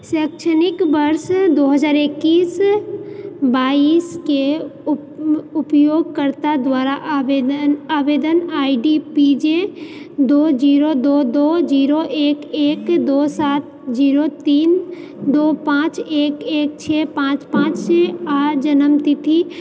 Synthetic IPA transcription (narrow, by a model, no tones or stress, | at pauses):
sɛːkʃənɪkbəɾsd̪oːɦəd͡ʒaːɾekːiːs | baːiːske | ʊpjoːɡkəɾt̪ad̪waːɾaʔenaːʋeːd̪ənaːiɖipid͡ʒe | d̪oːd͡ʒiːɾod̪oːd̪oːd͡ʒiːɾoʔeːkeːkd̪oːsaːt̪̚ | d͡ʒiːɾot̪iːn | d̪oːpãːt͡ʃeːkeːk̚t͡ʃʰeːpãːt͡ʃpãːt͡ʃsead͡ʒənəmt̪it̪ʰi